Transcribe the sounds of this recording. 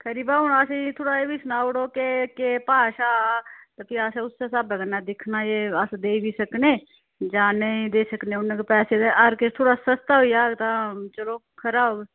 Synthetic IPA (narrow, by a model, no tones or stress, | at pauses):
kʰəɾiːbaːʊnaːset̪ʰoːɽaebʱisʊnaːʊɽokekepaːʃat̪əpiaːseʊsːesabəɡənːad̪ɪkʰnajeəsd̪eːibʱisəkneː | d͡ʒaːneĩd̪eːsəkneʊnːekepɛːsed̪eəɾket̪ʰoːɽasəst̪aɦoijaːt̪at͡ʃəlo | kʰəɾaːoɡ